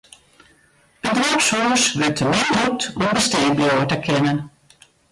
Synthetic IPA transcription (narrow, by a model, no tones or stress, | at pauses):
ədrapsɔəsʋɪtʰəmɪɦutɔmbəsteːbjoːətəkʰɪnən